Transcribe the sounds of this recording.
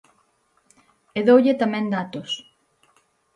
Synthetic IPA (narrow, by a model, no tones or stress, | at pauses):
eðowʎet̪amɛ̃nd̪at̪os